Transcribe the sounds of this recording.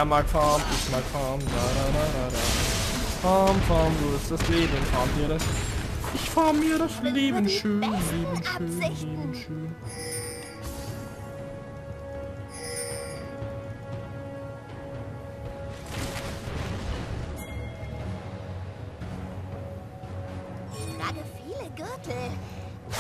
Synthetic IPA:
maːkfaːmɪçmaːkfaːmlaɾaɾaɾaɾa | faːmfaːmzoːɪsd̥asleːbənfaːmdiːɐɾɛsʔɪçfaːmiːɐɾasleːbən̩ʃøːnleːbənʃøːnleːbənʃøːn | aːɡəfiːləɡʏɐtl̩

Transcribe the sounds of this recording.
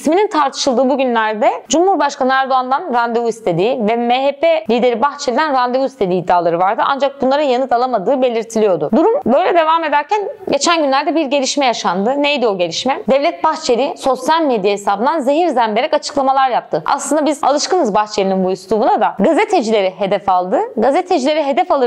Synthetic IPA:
sminint̪ʰaɾt̪ʰɯ̥ʃɯlˠd̪ɯːbuɟynlʲæɾd̪ɛd͡ʒumhuɾbaʃkanɯæɾd̪oand̪anɾand̪euist̪ʰe̞d̪iːvɛmeɦepʰelʲiːd̪e̞ɾibaxt͡ʃʰelʲid̪ænɾand̪evuist̪ʰe̞d̪iːd̪ːaːlˠaɾɯvaɾd̪ɯʔa̰nd͡ʒak̚bunlˠaɾɯjanɯt̪alˠamad̪ɯːbe̞lʲiɾt̪ʰilʲijo̞d̪ud̪uɾumbø̞jlʲɛd̪e̞vame̞d̪æɾcʰænɟe̞t͡ʃʰænɟynlʲæɾd̪ɛbiɾɟe̞lʲiʃmɛjaʃand̪ɯnejd̪io̞ɟe̞lʲiʃmɛd̪ɛvlʲɛt̪̚baxt͡ʃʰeɾiso̞sjalʲmed̪jahesaːbɯnd̪anze̞ɦiɾzænbe̞ɾɛkat͡ʃʰɯ̥klˠamalˠaɾjap̚t̪ʰɯʔa̰slˠɯnd̪abiza̰lˠɯʃkɯnɯzbaxt͡ʃʰeɾininbujust̪ubunad̪aɡazet̪ʰe̞d͡ʒilʲe̞ɾiɦe̞d̪ɛfalˠd̪ɯɡazet̪ʰe̞d͡ʒilʲe̞ɾiɦe̞d̪ɛfalˠɯ

